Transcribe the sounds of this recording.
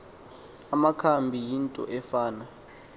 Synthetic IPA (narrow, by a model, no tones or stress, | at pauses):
amakʰambʱijintʼɔ̰ʔɛfaːna